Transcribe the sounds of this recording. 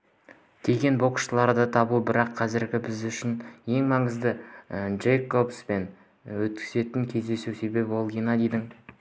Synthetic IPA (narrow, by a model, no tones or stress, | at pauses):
d̪̥ʰe̞ɡʲe̞nbo̞qʃəlˠɑɾd̪ət̪ʰɑbubɪɾɑqʰːɑzɪɾɡʲɪbɪzʏʃɪnje̞ŋmɑɴəzd̪əʒejkːobspe̞n | wɵt̪̚kʲʰɪ̥ze̞t̪ɪŋkʲʰe̞zd̪e̞suwse̞be̞pwo̞lˠɡejnɑd̪e̞jd̪ɪŋ